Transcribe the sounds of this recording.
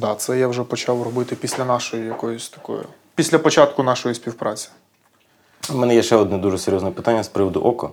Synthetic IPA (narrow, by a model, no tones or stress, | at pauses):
d̪ɑt̪sɛjawʒɛpɔt͡ʃɑwrɔbɪt̪ɪpʲisʲlʲɐnɑʃɔjʊjɐkɔjʊsʲt̪ɐ̥kɔ̰jʊ̰ | pʲisʲlʲɐpɔt͡ʃɑt̪kʊnɑʃɔjisʲpʲiwpɾɑt͡sʲi̥ | mɛnɛjɛʃt͡ʃɛɔd̪nɛd̪uʒɛseɾʲjɔznɛpɪ̥t̪anʲːɐspɾɪʋɔd̪ʊ̰ʔɔkɔ̰